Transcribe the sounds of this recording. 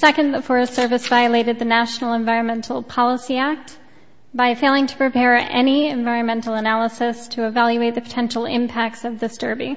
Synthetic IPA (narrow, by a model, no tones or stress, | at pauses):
sɛkɨ̃nðəfɔɹɨssɜ˞vɨsv̥aɪɨleɪɾɨd̪̚ðɨnæʃnl̩ˠə̃ɱvaɪɹɨ̃nmɛ̃ntʰˡl̩ˠpʰɑlˠəsiæk̚t̚ | b̥aɪfeɪlˠɪ̃ŋtʰə̥pʰɹ̥ipʰɛɹɛ̰niɨ̃ɱvaɪɹɨ̃nmɛ̃ntˡl̩ˠənælˠəsɨstʰɨɨvælˠjʉeɪt̪̚ðɨpʰə̥tʰɛ̃nʃl̩ˠɪ̰̃mpʰæk̚tsʌvðɪsd̥ɜ˞bi